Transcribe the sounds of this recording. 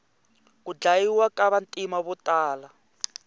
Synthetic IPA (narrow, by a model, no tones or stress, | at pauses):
kud͡ɮajiwakaβantʼimaβutaːla